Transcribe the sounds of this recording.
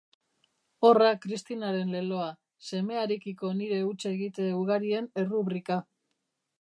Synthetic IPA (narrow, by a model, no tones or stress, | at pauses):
o̞rakɾist̪inaɾe̞nle̞lo̞a | se̞me̞aɾikiko̞niɾe̞ut͡ʃaeɣit̪euɣaɾie̞ne̞ruβɾika